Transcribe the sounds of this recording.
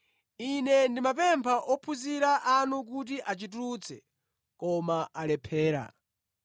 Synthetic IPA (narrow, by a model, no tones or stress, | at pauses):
inɛndimap̬ɛmpʰaʔɔpʰuziɾaʔanuk̬ut̬iʔat͡ʃituɾut͡sʰɛ | kɔmaʔalɛpʰɛːɾa̰